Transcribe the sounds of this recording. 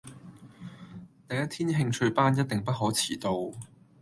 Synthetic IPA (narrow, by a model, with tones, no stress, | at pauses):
t̪ɐ˨˧jɐ˥t̪ʰiː˥nɦɪ˧ŋt͡ʃʰɵ˧ɥpaː˥njɐ˥t̚t̪ɪ˨ŋpɐ˥t̚ɦɔː˨˥t͡sʰiː˨˩t̪o˧w